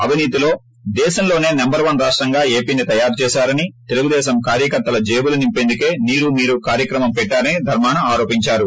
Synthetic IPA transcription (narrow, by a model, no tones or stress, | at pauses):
ɐʋiniːt̪ilo̞ː | d̪ɛːʃɐmlo̞ːne̞ːnɐmbɐɾʋɐnɾaːʂʈɾɐŋɡaːe̞ːpiːnit̪ɐjaːɾt͡ʃɛːʃaːɾɐnit̪e̞luɡud̪ɛːʃɐmkaːɾjɐkɐɾt̪ːɐlɐd͡ʒeːbulunimpend̪uke̞ːniːɾumiːɾukaːɾjɐkɾɐmɐmpɛʈːaːɾɐnid̪ʱɐɾmaːnɐaːɾo̞ːpiɲt͡ʃaːɾu